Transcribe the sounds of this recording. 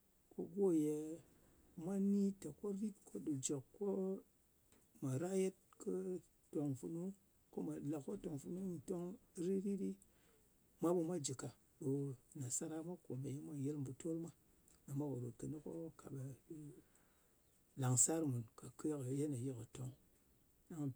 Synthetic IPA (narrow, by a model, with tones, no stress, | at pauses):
kʰo˦ɡo˦˨je˦ | mʷa˦ni˦ta˨ko˦ɾi˦tkʰo˦ɗu˨d͡ʒe˨kkːo˦ | ma˨ɾa˦je˦t̚kɨ˦ | to˨ŋfu˨nu˦ | ko˦ma˨la˨kːo˦to˨ŋfu˨nu˦i˨to˦ŋɾi˦ɾi˦ɾi˦ | mʷa˦ɓu˧mʷa˦d͡ʒi˨ka˨ | ɗo˨na˨sa˦ɾa˦mʷa˦ko˨me˨ji˦mʷa˦je˦lmbu˨to˦lmʷa˦ | a˨ma˦wa˨ɗo˨kɨ˨ni˦ko˦kʰa̰˨ɓa˨˦ | la˨ŋsa˦ɾmu˨nka˨kʰə˦kə˨je˦na˨je˦kə˨to˦ŋ | ɗa˦ŋ˨